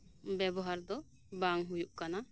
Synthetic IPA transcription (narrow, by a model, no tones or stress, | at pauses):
bɛbɔɦaɾd̪ɔ | baŋɦujuʔkana